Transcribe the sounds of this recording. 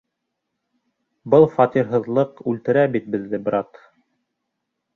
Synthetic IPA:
bɤlˠfɑt̪iɾɦɤ̆ðlˠɤqʉlt̪ɘ̆ɾæbit̪̚bɘ̆ðːɘbɾɑt̪

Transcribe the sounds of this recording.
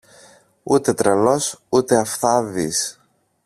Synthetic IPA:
ut̪e̞t̪ɾɐlo̞sut̪e̞ɐfθɐðis

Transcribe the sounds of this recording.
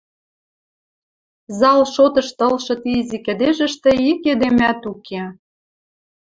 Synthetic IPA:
zɑlʃot̪ɤ̆ʃt̪ɤ̆lʃɤ̆t̪iizʲikĕd̪eʒə̆ʃt̪ĕiked̪emæt̪ukʰe

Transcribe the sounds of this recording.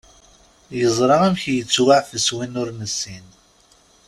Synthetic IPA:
jəzˤɾˤɑʁæmçjət͡sːwaʕfəswinʊɾnəsːin

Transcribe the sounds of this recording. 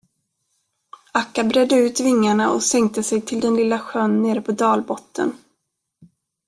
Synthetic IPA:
akːabɾɛd̪ːəʉ̟ːt̪vɪŋːaɳaʔɔ̰sɛŋk̚t̪əsɛjt̪ʰɪld̪ɛnlɪlːaɧœnːeːɾəpʰɔd̪ɑːlbɔt̪ːə̰n

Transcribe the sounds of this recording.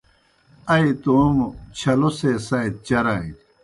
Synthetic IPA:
ɐit̪umt͡ɕʰɐlosesɐit̪̚t͡ɕɐɾai

